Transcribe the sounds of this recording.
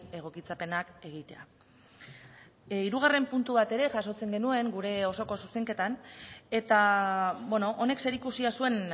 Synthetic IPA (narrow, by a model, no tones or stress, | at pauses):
e̞ɣ̞o̞kit͡sape̞nake̞ɣ̞it̪e̞a̰ | iɾuɣ̞are̞mpunt̪uβat̪e̞ɾe̞ʝaso̞t͡se̞ŋɡe̞nue̞ŋɡuɾe̞o̞so̞ko̞su̥st̪e̞ŋke̞t̪ane̞t̪aβeno̞ʔone̞kse̞ɾikusiasue̞n